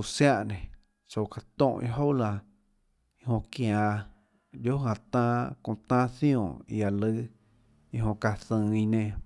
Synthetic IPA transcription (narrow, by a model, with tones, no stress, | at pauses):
sja˧ʔnẽ˨ | t͡so˧˨ka˨t̪õ˦˧ʔḭ̃˧ɦo˦wla˧ | i˧hõ˧kj̃ã˧˨ | jo˦ɦã˧t̪ãː˧kõ˧t̪ãː˦θj̃õː˧˨ḭ˧a˨lɨ˦ | i˧ɦõ˧ka˧θə̃ː˧i˧nẽ˧